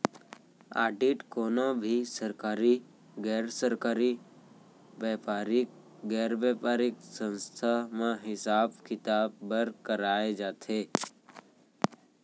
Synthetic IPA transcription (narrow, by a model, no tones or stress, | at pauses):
a̰ːɖiʈkonobʱisəɾkaːɾi | ɡɛːɾsəɾkaɾi | ʋɛpaɾɪk̚ | ɡɛɾʋepaːɾɪksə̃nst̪ʰamãɦɪsaːbkɪt̪ab̚ːəɾkəɾaed͡ʒaːt̪ʰe